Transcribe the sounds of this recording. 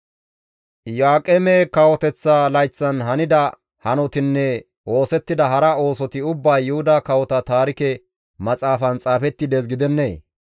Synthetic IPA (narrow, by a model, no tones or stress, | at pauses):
jaːkʼɛmeːkɐwɔt̪ɛt͡sːaːlɐjt͡sːɐnɦɐnɪd̪ɐ | hɐnɔt̪ɪnːɛ | o̞ːsɛt̪ːɪd̪ɐɦɐɾɐo̞ːsɔt̪ɪʊbːɐjːʊhʊd̪akɐwɔt̪ɐt̪aːɾɪkɛ | mɐt͡sʼaːfɐnt͡sʼaːfɛt̪ːɪd̪ɛs̬ɡɪd̪ɛnːḛː